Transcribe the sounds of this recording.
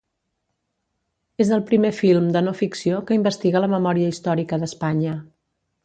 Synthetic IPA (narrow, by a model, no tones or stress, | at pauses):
ezðəlˠpɾimefilˠmd̪ənofiksiokəimbəst̪iɣələməmɔɾiəist̪ɔɾikəðəspaɲə